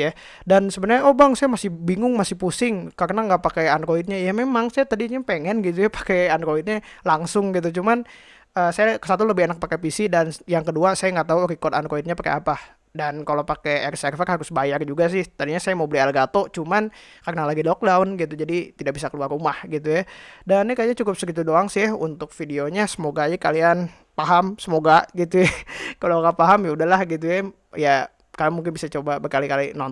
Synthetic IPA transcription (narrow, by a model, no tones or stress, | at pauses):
ja | dansəbənarɲaobaŋsajamasɪbiŋʊŋmasɪhpusɪŋkarnaŋɡapakejanɾoit̪̚ɲajamemaŋsajat̪adiɲapeŋɛnɡit̪̬ujapḁkeanɾoit̪̚ɲalaŋsʊŋɡit̪ut͡ʃuman | əːsajakə̥sat̪̬uləbɪhenak̚pakepisidanjaŋkəduasajaŋɡaʔt̪auɾikɔrt̪anɾoit̪̚ɲapakḛapa | dankalopakɛɛrsɛrfərhaɾʊsbajard͡ʒuɡas̬ɪht̪adiɲasajamobəlialɡat̪ot͡ʃuman | karnalaɡilɔk̚daunɡit̪ud͡ʒadit̪idak̚bis̬akəluarumahɡit̪ujadannikajɲat͡ʃukʊp̚səɾit̪̬udoaŋsɪhṵnt̪ʊk̚fidioɲasəmoɡajikalian | paɦamsəmoɡaɡit̪ujakaloɡapaɦamjaudahlahɡit̪̬uja | ja | kalamuŋk̬ɪnbisat͡ʃobabərkalikalinɔn